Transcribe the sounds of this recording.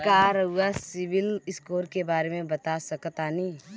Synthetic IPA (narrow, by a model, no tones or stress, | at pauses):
kaɾəuasɪʋɪlɪskoːɾkebaːɾemẽbɐt̪asəkt̪anĩː